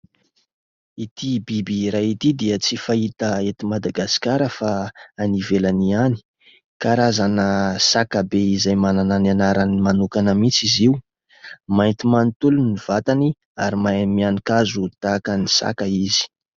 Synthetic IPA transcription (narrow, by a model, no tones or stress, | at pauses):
it̪ibibiɾait̪id̪iət͡sifait̪əet̪imad̪aɡasi̥kaɾəfaːnivelaniani̥ | kaɾazanəsakabeizajmananananaɾanimanukanəmit͡siziu | majnt̪imant̪uluniv̥at̪ani | aɾimamianikazut̪akənisa̰kaizi̥